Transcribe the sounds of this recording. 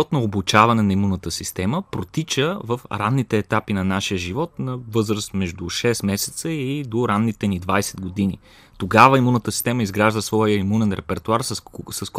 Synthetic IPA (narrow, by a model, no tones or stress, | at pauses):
ɔt̪nooblut͡ʃavɐnɛnɐimunːət̪əsist̪ɛməpɾot̪it͡ʃəvəfɾanːit̪ɛːt̪apinɐnaʃijəʒivɔt̪nɐvɤzɾəst̪mɛʒd̪uʃɛsmɛsɛ̥t̪səid̪oɾanːit̪ɛnid̪vajsɛd̪̚ɡod̪inḭ | t̪oɡavəimunːət̪əsi̥st̪ɛməizɡɾaʒd̪əsvɔjəimunɛnɾɛpɛɾt̪uaɾssəsk